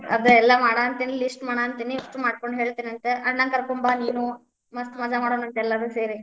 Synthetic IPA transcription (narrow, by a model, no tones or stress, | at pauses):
ɐ̰d̪uɛlːɐmaːɽaːnt̪inilisʈmaːɽaːnt̪iːniɐsʈumaːɽkoɳɖɦeːɭt̪iːnɐnt̪eʔɐnaːnkɐɾkumbaniːnu | mɐst̪umɐd͡ʒamaːɽoːnuɐnt̪ɛlːad̪useːɾi